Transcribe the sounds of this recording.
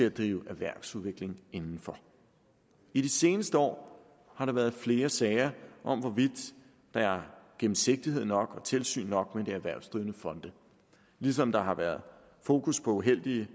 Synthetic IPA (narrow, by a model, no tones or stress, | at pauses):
t͡sʰe̝æd̥ʁiːʊʔæʋæɐ̰ɡ̥suðˠʋe̝ɡ̥le̝ŋe̝nn̩fɒ̽ | iɾ̥ise̝ːnəsd̥əɒ̰ː | hɑ̈ɾɑ̈ʋæːɐð̞̩ˠfle̝ːɐsɛːɪɐʔɒ̽mʋɒʋid̥ː | ɑ̈æɐɡ̥em̩se̝ɡ̥̚d̥ihe̝ð̰ˠnɒ̽ɡ̥ɒ̽t͡sʰe̝lsy̰ːnːɒ̽ɡ̥med̥eæʋæɐ̰sd̥ʁiːʊnəfɒ̽nd̥ə | lis̬ɒ̽md̥ɑ̈ɦɑ̈ʋæɐðˠ | fo̝ːkʰuspʰɒ̽uɦel̰d̥iə